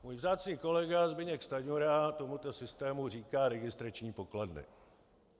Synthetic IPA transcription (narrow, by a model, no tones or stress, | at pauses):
muːjvzaːt͡sɲiːko̞lɛɡazbɪɲɛkst̪aɲuɾat̪o̞mut̪o̞sɪst̪ɛːmur̝iːkaːɾɛɡɪst̪ɾat͡ʃɲiːpo̞kladnɪ̰